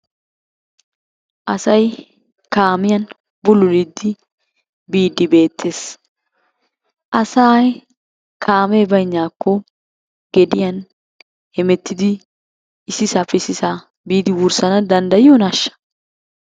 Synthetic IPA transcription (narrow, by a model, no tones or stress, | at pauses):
ʔɐsɐj | kaːmɪjɐn | bʊlʊlɪd̪ːɪ | biːd̪ːɪbe̞ːt̪ʰːe̞ːs | ʔɐsaːj | kʰaːme̞ːbɐjnːaːkʰːɔ | ɡ̥ɛd̪ɪjɐn | hɛmɛt̪ːɪd̪ɪ | ɪsːɪsɐfɛsɪsaː | biːd̪ɪwʊɾsɐnɐd̪ɐnd̪ɐjɪjonɐʃːɐ̥